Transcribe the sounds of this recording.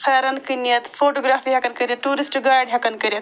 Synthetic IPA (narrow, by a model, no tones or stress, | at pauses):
pʰɐːɾɐnkinjɐt̪pʰoːʈoːɡɾaːpʰiɦɐkɐnkəɾɐtʈuːɾisʈɡaːjɖɦɐkɐnkəɾjɐt̪